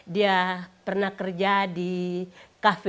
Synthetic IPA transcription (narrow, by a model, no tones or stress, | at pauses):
diapərnahkərd͡ʒadi | kafi